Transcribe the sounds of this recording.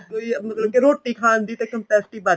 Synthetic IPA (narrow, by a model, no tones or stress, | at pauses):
oiɐnɐt̪lɐbkeɾoːʈːikʰãːnd̪it̪ɐkɐmpɛːsʈibaː